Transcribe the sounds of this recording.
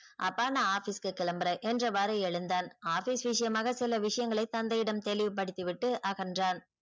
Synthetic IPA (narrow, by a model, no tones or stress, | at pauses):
ʔɐ̰pːaːnɐaːfiskɯkɪɭɐmbɐɾɐʔɛndrɐʋɐɾɐɛɻɯnd̪aːnaːfiːsʋɪʂɐjɐmaːɣɐsɪlɐʋɪʂɐjɐŋɡɐɭɐɪt̪ɐnd̪ɐjɪɽɐmt̪ɛlɪʋɯp̬ːɐɽɪt̪ːɯʋɪʈːɯʔɐɣɐndraːn